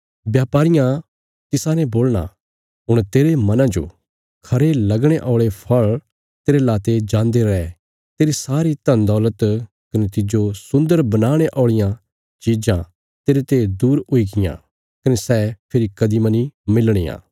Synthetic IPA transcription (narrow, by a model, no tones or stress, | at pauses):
bjaːpaːɾɪjã | t̪ɪsãnɛboːlɽ̃a̰ | ɦʊɽ̃t̪eːɾemɐnãd͡ʒo̰ | kʰɐɾelɐɡɽ̃eʔɔːɭepʰɐɭ | t̪eːɾelaːt̪ed͡ʒãːnd̪eɾɐɛ | t̪eːɾisaːɾit̪ɐ̃nd̪ɔːlət̪ | kɐnet̪ɪd͡ʒosʊ̃nd̪əɾbɐnaːɽ̃eʔɔːɭɪjã | t͡ʃiːd͡ʒã | t̪eːɾet̪ed̪uːɾʊiɡɪjã̰ | kɐnesɛːpʰɪɾikɐd̪imɐnimɪlɽ̃eːã̰ː